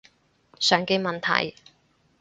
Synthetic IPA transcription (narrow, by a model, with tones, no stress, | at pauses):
sœː˨ŋke˧jmɐ˨nt̪ʰɐ̰˨˩j